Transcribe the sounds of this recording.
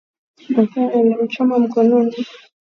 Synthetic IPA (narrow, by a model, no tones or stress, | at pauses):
makaɛlaut͡ʃɔmam̩kɔnɔni